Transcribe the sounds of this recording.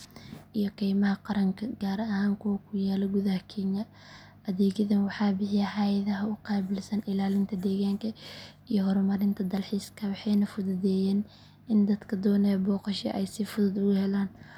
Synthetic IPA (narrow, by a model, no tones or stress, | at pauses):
ʔijɔkʰɛːjmɐɦɐqɑɾɐŋkʰɐɡaːɾɐɐhaːŋkʰɔkʰʊjaːlɔɡʊðɐhɐkʰɛːŋɐ | ʔɐðɛːɣɐðɐnwɑħɑːbɪħɪjɐħɑjɐðɐɦɐʊqɑːbɪlsɐnɪlaːlɪnt̪ʰɐd̪ɛːɣaːŋkʰɐ | ijɔhɔɾmɐɾɪnt̪ʰɐd̪ɐlħiːskʰɐwɑħɛjnɐfʊðʊðɛːjɛːn | ɪnd̪ɐd̪kʰɐd̪ɔːnɛjbɔːqɑʃɛ̰ʔɛjsifʊðʊd̪ʊɣʊhɛlaːn